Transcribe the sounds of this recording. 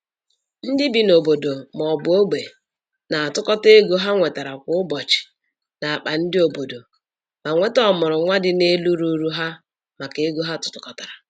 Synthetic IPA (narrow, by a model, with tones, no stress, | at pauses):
n̩˦dɪ˦bi˨no˨bo˨do˨mɔ˨bʊ˨˦o˦ɡ͡be˨ | na˨a˨tʊ˦kɔ˦te˦ɡo˦ɦa˦ŋʷe˨ta˨ɾa˨kʷʊ˦ʊ˦bɔ˨t͡ʃɪ̥˨ | na˨a˨k͡pa˨n̩˦dɪ˦o˨bo˨do˨ | ma˨ŋʷe˦tɔ˦mʊ˨ɾʊ˨ŋʷa˦dɪ˦ne˦lu˦ɾu˦ɾu˦ɦa˦ | ma˨ke˦ɡo˦ɦa˦tʊ̥˨tʊ˦kɔ˨ta˨ɾa˨